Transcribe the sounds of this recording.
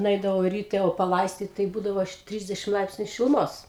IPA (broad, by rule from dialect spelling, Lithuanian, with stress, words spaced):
nʊˈɛɪdɐʋɐʊ rʲiːˈtʲɛ oː pɐˈlˠɐɪsʲtʲiːt tɐɪ ˈbuːdɐʋoː ˈtʲrʲɪzʲdʲɛʃʲɪm ˈlˠɐɪpʲsʲnʲʊ ʃʲɪlˠʊˈmoːs